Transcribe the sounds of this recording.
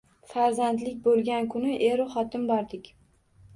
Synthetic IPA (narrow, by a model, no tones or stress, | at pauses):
faɾzant̪lɪkʲbolˠɡʲankʰʊnɪʔeɾɪχɒt̪ʰɪmbɒɾd̪ɪkʲ